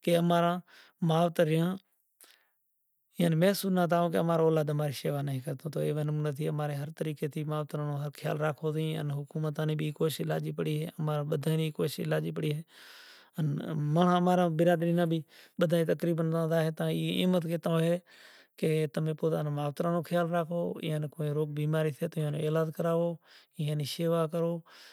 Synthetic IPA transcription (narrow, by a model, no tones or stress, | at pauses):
keːəmaːɾãː | maːʋt̪əɾɪjãː | jaːniːmẽːsuːnãːt̪̬aːɦõːk̬eəmaːɾaoːlaːd̪əmaːɾiːʃeːʋaːnaɦĩːkəɾt̪ʰõːt̪o̰ːeːʋenəmːnət̪ʰiːəmaːɾeːɦəɾt̪əɾiːkeːt̪ʰiːmaːʋt̪ɾãːnõːɦəɾkʰɪja̰ːlɾaːkʰoːt̪ĩə̰nɦʊkuːmət̪aːnĩːbiːkoːʃɪla̰ːd͡ʒiːpəɽiːɦeːəmaːɾaːɓəd̪ʱaːniːkoːʃɪ̰laːd͡ʒiːpəɽiːɦeː | ənməɳaːmaːɾãːbɪɾaːɗɾiːnãːbʱiːɓəd̪ʱaːĩːt̪əkɾiːbənt̪ãːd̪aːɦeːt̪ãːiːɪ̰ːmət̪ket̪ãoɦeː | keːt̪əmẽːpoːt̪aːnẽːmaːʋt̪ɾãːnõːkʰjaːlɾaːkʰoːɪ̰ːãːnekoːẽːɾoːk̚biːmaːɾiːsʰeːt̪oːãːnõ̰ːeːlaːd̪kəɾaːʋoːɪːãːniːseːʋaːkəɾoː